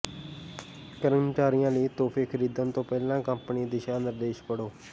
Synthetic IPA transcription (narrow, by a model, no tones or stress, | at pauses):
kəɾənʈaːɾɪjãːliːt̪oːpʰeːkʰəɾiːd̪ənt̪õːpɛːlãːkəmpniːd̪ɪʃaːnɪɾd̪eːʃkəɽoː